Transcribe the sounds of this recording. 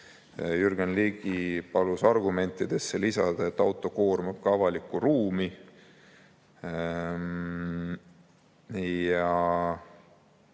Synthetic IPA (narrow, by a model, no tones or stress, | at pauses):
jyrɡenliɡ̥ipɑlusɑrɡume̞nt̪ːˑid̪̥e̞sːelisɑd̪̥ɑet̪ːˑɑwt̪ːˑo̞ko̞ːrmɑb̥̚kɑvɑlikːˑuruːmi | jɑ